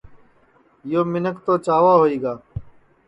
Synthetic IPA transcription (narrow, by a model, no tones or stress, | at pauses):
joːmɪnəkt̪oːt͡ʃaːʋaːɦoːiːɡaː